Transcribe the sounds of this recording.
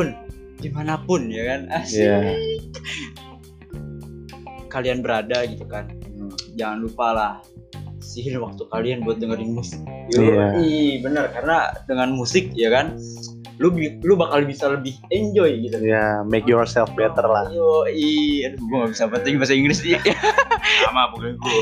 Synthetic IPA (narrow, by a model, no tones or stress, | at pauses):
ʊn | ɡimanapʊnjakanəhsjia | kalianbəɾadaɡit̪ukand͡ʒaŋanlupalah | siɦɪnwak̚t̪ukalianbuat̪̚dəŋəɾiŋmlɪsɪ̥k̪̚uaihbənərkarənadəŋanmusɪk̚jakan | lubilubakalbisaləbɪhɛɲd͡ʒɔjɡit̪ujamɛkjɔrsɛlfbɛt̪ərlahjoiaduɡuŋɡabisapənt̪ɪŋbas̬aiŋɡlɪs | amapuk